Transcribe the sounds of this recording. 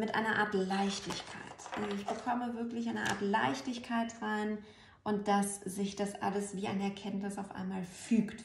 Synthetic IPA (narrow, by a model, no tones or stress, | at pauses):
mɪtʔa̰ɪnɐʔaːɐtlaɪçtɪçkʰa̰ɪtʔazɪçb̥əkʰɔməvɪɐklɪçʔaɪnəʔa̰ːɐtla̰ɪçtɪçkʰaɪtʁaɪn | ʔʊnt̚d̥asz̥ɪçd̥asʔa̰ləsv̥iːaɪnɛɐkʰɛntnɪsaʊfʔa̰ɪnmaːlfyːkt